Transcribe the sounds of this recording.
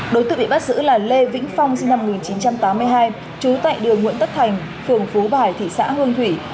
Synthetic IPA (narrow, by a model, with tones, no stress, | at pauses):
ɗo˨˦jt̪ɨ̰˧ɓḭ˧˨ɓa˦˥t̚zɨ̰˧˥laː˨˩le˧vḭ˧˥ŋ̟fa˧wŋ͡msi˧nːa˧m˨˩ŋi˨˩nt͡ɕi˨˦nt͡ɕa˧mt̪aː˨˦mː˧əjɦaː˧j | t͡ɕu˨˦t̪a̰ː˧˨jɗɨ˨˩əŋwḭ˧˨ənt̪ə˦˥t̚t̪ʰa˨˩jŋ̟ | fɨ˨˩əŋfu˨˦ɓaː˨˩jt̪ʰḭ˧˨sa̰ː˧˥hɨ˧əŋt̪ʰwi˧˩